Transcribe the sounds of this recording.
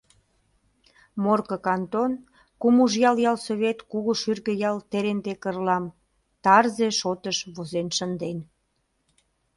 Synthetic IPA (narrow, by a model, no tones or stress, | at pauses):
morkəkɑnt̪on | kumuʒjɑljɑlsoβʲet̪kuɣuʃyrɣə̆jɑlt̪eɾend̪ekərlɑm | t̪ɑrzeʃot̪əʃβozenʃənd̪en